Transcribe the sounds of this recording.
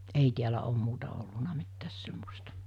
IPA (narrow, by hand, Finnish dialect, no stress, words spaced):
ei tiælæ om muːtɑ olːunɑ mitːæːs semːostɑ